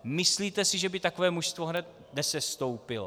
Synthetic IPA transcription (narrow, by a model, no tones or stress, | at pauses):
mɪsliːt̪ɛsɪʒɛbɪt̪akovɛːmuʃst̪voɦnɛt̪̚ | nɛsɛst̪owpɪlo